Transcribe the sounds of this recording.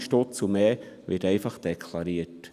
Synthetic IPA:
ʃtot͡sumeː | ʋɪtɛɪfɑχd̥ekʰlˠɑɾiət

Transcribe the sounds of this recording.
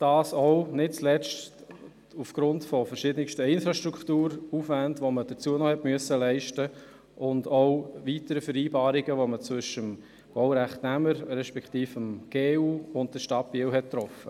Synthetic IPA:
d̥ɑːsɔʊnɪt̚t͡slɛst | ufɡ̥ɾʊntfɔfəɾʃɪdənɪkʃtəɪnfɾɑʃtɾuktuːɾufʋæntʋoməd̥əɾt͡suənohɛtmyəsəlɛɪʃtə | ʔʊndɔʊʋitəɾəfəɾiːbɑːɾiɡəʋomət͡sʋʏʃəm | b̥ɔwɾæχtnæməɾɾɛʃpɛkʰtiːfəmɡ̥eːuʊnddəʃtɑbiəwɦɛttːɾɔfə

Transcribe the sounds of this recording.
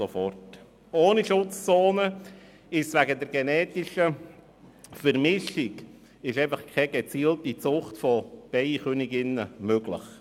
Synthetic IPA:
ofɔrt | oːniʃʊt͡st͡soːnə | ɪʃʋæɡəd̪ɛɾɡ̥ɛnɛːtɪʃə | fəɾmɪʃɪɡ | ɪʃeɪfɐχkʰɛɡet͡siːltit͡sʊχtfɔb̥ɛɪχøniɡɪnːəmøɡlə̰χ

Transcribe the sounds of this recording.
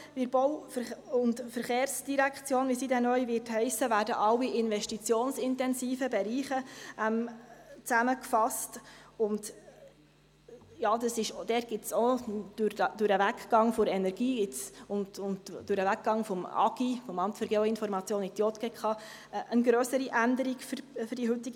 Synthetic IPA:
ʋɪɾbɔwfʊntfəɾχeːrsd̥iɾækt͡sjoːnʋisidɛnnːœjʋɪthɛɪsːəʋæːɾdəʔɑwːiʔɪnʋɛʃtit͡sjoːnsɪntɛnsiːfəbɛɾiːχəʔɛmt͡sæməkfɑstʊnd | jɑːd̪əsɪʃd̪̥ɛːt̚ɡ̥ɪtsod̥ɾd̥ʉɾəʋækɡ̥ɑŋfɔɾɛnɛɾɡiːɡ̥ɪtt͡sʊndʊntd̥ʉɾəvæk̚ɡɑŋfɔmɑ̰ɡ̥ifɔmɑmtfɛɾɡeɪnfɔɾmɑt͡sjoːnit̪joːt̪ɡ̥ɛkχɑː | ʔənɡɾœsəɾiʔænd̪əɾiɡffʏɾd̥iɦɵt̪ːiɡ

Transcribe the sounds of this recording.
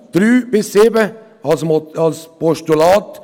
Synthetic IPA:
d̪̥ɾyːb̥ɪsːiːbə | ɑsmɔɑlspɔʃtulɑːt̪

